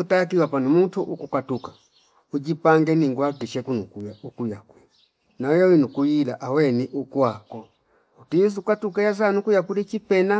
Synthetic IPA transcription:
utak̬iwapanumutuʔukukatuka | ud͡ʒipaŋɡɛniŋɡuwakiʃɛkunukujaukujakwɛ | najɛwinukujilaʔawɛniʔukwakɔ | utis̬ukatukajas̬anukujakulit͡ʃipɛna

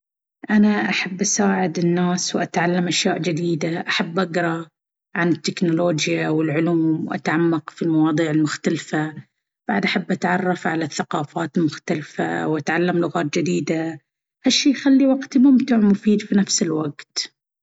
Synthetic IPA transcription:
ʔanaʔaħabːʔasaːʕɪd̪ɪnːaːswʔat̪ʕalːamʔaʃjaːʔd͡ʒɪd̪iːd̪aʔaħabːʔaɡɾˤɑ | ʕanɪt̪ːɪknʊloːd͡ʒjawɪlʕʊluːmʔa̰t̪ʕamːaqfilmɑwɑːðˤiːʕɪlmʊxt̪alfa | b̥aʕd̪ʔaħabːʔat̪ʕɑrˤːɑfʕalaθːaqɑːfaːt̪ɪlmʊxt̪alfa̰wʔat̪ʕalːamlʊɣaːt̪̚d͡ʒɪd̪iːd̪a | haʃːiːxalːiwaɡt̪mʊmt̪uʕmʊfiːd̪finafsɪlwaɡt̪

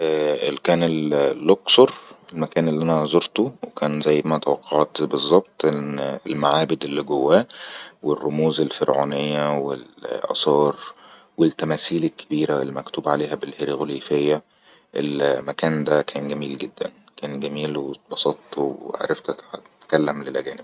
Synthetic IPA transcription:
ʔæːʔelkæːnellːoksoɾelmækæːnelːiʔænæzoɾt̪owekæːnzæjːmæt̪æwɑqʰːɑʕt̪bezˤːɑb̚t̪ˤeelmaʕaːbed̪elːiɡowːæːwerːomuːzelfeɾʕo̰ːnejːæwḛlʔɑ̰sˤɑːɾˤ | welt̪ːæmæːsiːlekʰːe̥biːɾælːmækt̪uːbʕaleːɦæbelheɾiɣoliːfejːæ | ʔḛlmækæːnd̪ækʰæːnɡæmiːlɡed̪ːæ̰n | kæːnɡæmiːlwebɑsɑt̪wʕa̰ɾˤeft̪æt̪ʕt̪kælːæmlelʔæ̰ɡæːneb̚

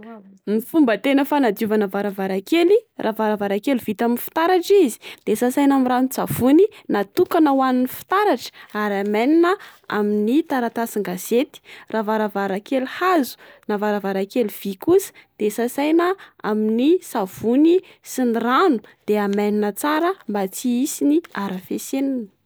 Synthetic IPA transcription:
mifumbət̪enəfanad̪uvanavaɾavaɾakelirʔavaɾavaɾakeliv̥it̪aminifi̥t̪aɾaʈ͡ʂizi̥d̪̥esasajnamiranit͡savuninat̪ukanəwanunifi̥t̪aɾaʈ͡ʂə̥aɾamaninəa̰minit̪aɾat̪asiŋɡaset̪i̥ravaɾəvaɾakeluhazu̥ | navaɾavaɾakeluv̥ikusə̥d̪̥esasajnəa̰minisav̥uni | sinranud̪̥eamaninət͡saɾəmbat͡siisiniaɾafesenini̥

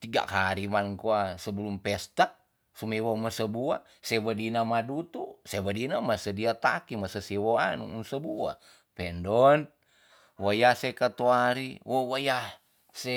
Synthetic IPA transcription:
t̪iɡa̰kaɾimankuasəbəlumpɛst̪a | sumewoməsəbua̰ | sewədinamadut̪usewədinamasədiat̪akimasəsewoanṵunsəbua̰ | pɛndɔn | wojasekat̪uaɾiwowaja | se

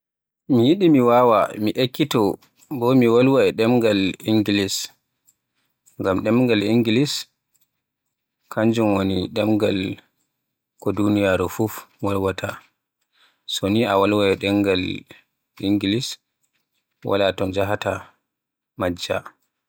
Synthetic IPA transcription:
mijiɗimiwawa̰miʔekːitɔ | bɔmiwalwaɛɗɛmɡaliŋɡilis | ŋɡamɗɛmŋɡaliŋɡilis | kʰaɲd͡ʒumwoniɗɛmɡal | kɔdunijaɾufufwalwatʰa | soniawalwaɛɗɛŋɡal | iŋɡilis | wa̰latɔnd͡ʒaɦata | mad͡ʒːa̰

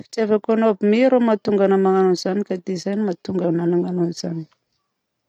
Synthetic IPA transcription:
fi̥t͡savakonobimiɾomat̪uŋɡanəmaŋanunizanikad̪eizajnimat̪uŋɡananaŋanuniz̥ani̥

